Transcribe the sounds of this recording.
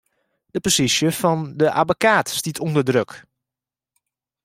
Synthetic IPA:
d̥əposisjəfɑndəʔabokaːtstitʰɔndərdrøk

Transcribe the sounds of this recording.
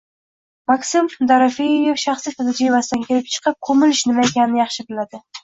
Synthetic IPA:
maksɪmd̪aɾafejjefʃɑχsit̪ʰalɪd͡ʒivasɪd̪ankʲʰelɪp̚t͡ʃʰɨ̥qʰɨp̚kʰomɪlɪʃnɪmaekʲanɪnɪjɑχʃɪbɪlad̪ɪ

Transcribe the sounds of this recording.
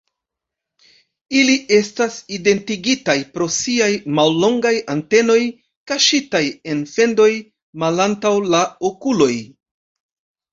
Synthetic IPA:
iliʔe̞staside̞ntiɡitajpɾo̞siajmalːo̞ŋɡajante̞no̞j | kaʃitaje̞nfe̞ndo̞j | malantawlaokulo̞j

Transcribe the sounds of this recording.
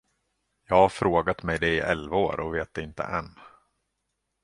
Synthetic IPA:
jɑːɡhafɾoːɡat̪mɛjd̪ɛɪʔɛlvaoːɾʔɔveːt̪̚d̪ɛɪnt̪ə̰ʔɛn

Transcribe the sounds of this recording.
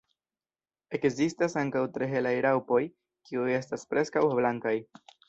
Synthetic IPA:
e̞kzistasaŋkawtɾeɦe̞lajɾawpo̞j | kiuje̞staspɾe̞skawblaŋkaj

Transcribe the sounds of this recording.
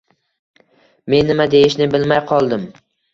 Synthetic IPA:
me̞nːɪmad̪e̞jɪʃnɪbɪlmajqʰɒlˠd̪ɪm

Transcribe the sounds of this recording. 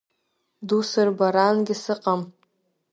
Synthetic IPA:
dusɨrbaɾanɡʲɪsɨqʼam

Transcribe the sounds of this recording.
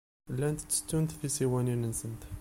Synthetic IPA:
əlːænt̪ə̥t͡sːə̥t̪ːunt̪ðisiwæninənsənt̪

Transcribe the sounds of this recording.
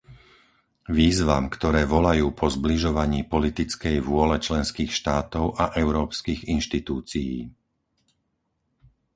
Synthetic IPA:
ʋiːzʋamkt̪ɔɾɛːʋɔlajuːpʰɔzbliʒɔʋaɲiːpɔlit̪it͡skɛjʋʊɔlɛt͡ʃlɛnskiːxʃt̪aːt̪ɔʊʔaʔɛʊɾɔːpskiːɣinʃt̪it̪uːt͡sijḭː

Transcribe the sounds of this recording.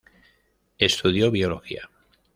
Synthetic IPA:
e̞st̪uðjo̞βio̞lo̞xḭa̰

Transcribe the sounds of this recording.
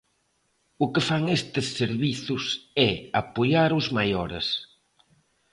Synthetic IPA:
ʊkefaŋest̪ɪsːeɾβiθʊsɛapoʎaɾʊzmajɔɾḛs

